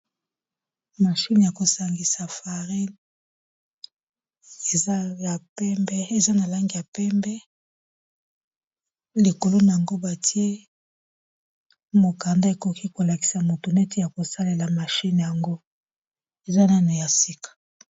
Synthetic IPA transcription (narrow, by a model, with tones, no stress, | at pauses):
ma˨ʃi˦n˨ja˨ko˨sa˨ŋɡi˨sa˨fa˨ʁi˦n | e˨za˦ja˨pɛ˦mbɛ˦e˨za˦na˨la˦ŋɡi˨ja˨pɛ˦mbɛ˦ | li˨ko˨lo˦na˨a˨ŋɡo˦ba˨ti˦e˦ | mo˨ka˨nda˦e˨ko˨ki˦ko˨la˨ki̥˨sa˨mo˨to˨nɛ˦te˦ja˨ko˨sa˦le˨la˨ma˨ʃi˦nja˨ŋɡo˦ | e˨za˦na˦na˨ja˨si˦kḁ˨